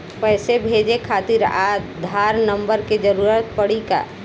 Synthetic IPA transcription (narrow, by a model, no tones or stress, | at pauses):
pɛːsebʱeːd͡ʒekʰaːt̪ɪɾa̰ːd̪ʱaːɾnə̃mbəɾked͡ʒəɾuɾat̪̚pəɽika̰